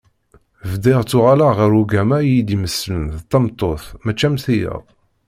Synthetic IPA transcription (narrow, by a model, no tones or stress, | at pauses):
vd̪iʁt͡sːʊʁalaʁəɾuɡæmæjid̪iməslənθt̪ːɑmt̪ˤːoθmæt͡ʃːæmθijə̰ʁ